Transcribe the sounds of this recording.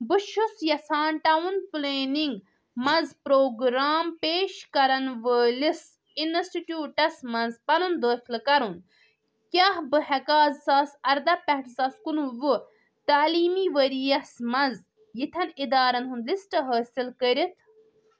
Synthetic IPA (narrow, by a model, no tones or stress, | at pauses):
bɨʃʰusjɐsaːnʈawunpleːniŋɡ | mɐnzpɾoːɡɾaːmpeːʃkɐɾɐnʋəːlis | insʈiʈjuːʈɐsmɐnzpɐnɨnd̪əːxilkɐɾun | kʲaːhbɨɦɛkaːzsaːsɐɾd̪ɐpɛɦʈsaːskunuʋu | t̪aːliːmiːʋəɾijɐsmɐnz | jit̪ʰɐnid̪aːɾɐnɦunlisʈɨɦəːsilkəɾit̪ʰ